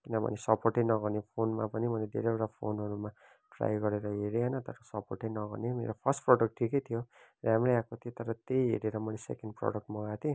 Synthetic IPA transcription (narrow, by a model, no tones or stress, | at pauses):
kinʌbʱʌ̰nesʌpoʈʌjnʌɡʌnepʰonma̰pʌnimʌled̪ʱḛɾeoʈapʰonɦʌɾuma | ʈra̰jɡʌɾeɾʌɦeɾeɦʌjnʌt̪ʌ̰ɾʌsʌporʈejnʌɡʌ̰nemḛɾopʰʌrsʈproɽʌk̚ʈʈʰikʌjt̪ʰijo | ramrejakot̪ʰijot̪ʌɾʌt̪ejɦḛɾeɾʌmʌlesḛkenɖpro̰ɽʌk̚ʈmʌɡat̪ʰe